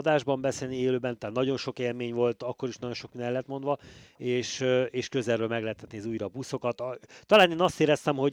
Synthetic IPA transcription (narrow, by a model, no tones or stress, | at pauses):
d̪aːʒbɒmbɛseːlnieːløːbɛnt̪aːt̪nɒɟo̞nʃo̞keːlmeːɲvo̞lt̪ɒkːo̞ɾiʃnɒɟo̞nʃo̞k̚minɛlːɛt̪mo̞nd̪ʋɒeːʃeːʃkøzɛrøːlmɛɡlɛɦɛt̪ɛt̪nezuːjɾɒbuso̞kɒt̪t̪ːɒlaːneːnɒst̪eːɾɛst̪ɛmho̞